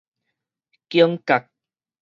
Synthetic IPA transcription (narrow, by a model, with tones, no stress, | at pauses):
ki˦əŋka˨k̚